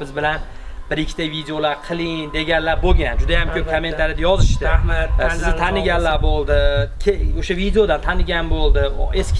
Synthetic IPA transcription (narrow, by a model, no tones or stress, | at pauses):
bɪzbɪlan | bɪɾɪkʲʰːɪt̪avid̪ejolaɾqʰɨlˠɪŋd̪e̞ɡʲanlaɾboɡʲand͡ʒʊd̪ajamkʲʰɵp̚kʰomːe̞nʰaɾɪd̪ajɒzɪʃt̪ɪmasɪznɪt̪ʰanɪɡʲanlaɾbolˠd̪ɪkʰʲeoʃavid̪eod̪ant̪ʰanɪɡʲanbolˠd̪ɪeskʲ